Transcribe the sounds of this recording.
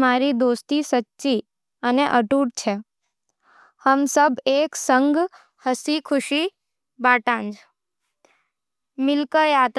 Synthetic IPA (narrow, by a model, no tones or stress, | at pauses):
maɾid̪ost̪isətːʃi | əneʔəʈuʈ̚t͡ʃʰe | həmsəbeksəŋɡ | həsikʰʊʃi | baːʈãnd͡ʒ | mɪlkəjat̪